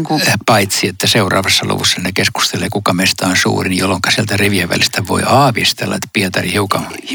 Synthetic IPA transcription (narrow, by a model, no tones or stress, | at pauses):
ŋkupɑit̪siet̪ːæseurɑ̰ːʋɑsːɑlṵʋusːɑnekesku̥st̪eleːkukɑmest̪ɑonsṵːrinjolːoŋkɑsielt̪æriʋiæʋʋæ̰list̪æʋo̰iɑːʋist̪ḛlːɑ̰et̪piet̪ɑrihiukɑm